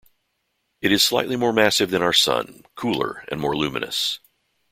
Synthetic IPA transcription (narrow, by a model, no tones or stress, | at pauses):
ɨɾɨz̥slaɪʔˡlimɔɹmæsɨvðɨ̃ñaʊə˞sʌ̰̃nkʰulˠə̰˞ɨ̰̃nmɔɹlʉmɨ̃nɨ̰s